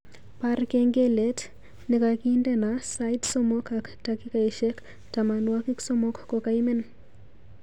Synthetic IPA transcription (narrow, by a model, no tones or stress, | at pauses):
paɾkeŋɡelet | nekakindenasajdsomɔkaktakikaiʃek | tamanwakiksomɔkkokaimɛn